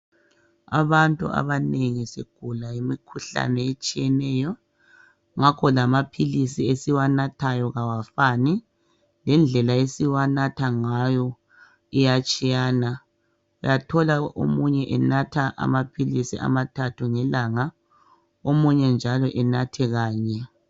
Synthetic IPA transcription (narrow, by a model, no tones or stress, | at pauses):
a̰βantʼṵʔa̰βaneŋisiɡ̥ʱulajimikʰuɬa̰nɛet͡ʃʼijɛnɛjɔ | ŋakʰɔlamapʰilisiesiwanatʰajɔɣawafani | lɛnd͡ɮʱɛlaesiwanatʰaŋajɔ | ijat͡ʃʼijaːna | ujatʰɔlaʔo̰muɲɛʔɛnatʰaʔa̰mapʰilisḭʔa̰matʰatʰuŋɛlaŋa | omuɲɛnd͡ʒʱalɔʔɛnatʰɛɣaːɲɛ